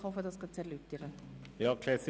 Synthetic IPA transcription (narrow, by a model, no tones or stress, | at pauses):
hɔfədɑsɡ̥ɑt͡sɛɾlyːp̚tiːʁə | jɑːkʰl̥ɛsi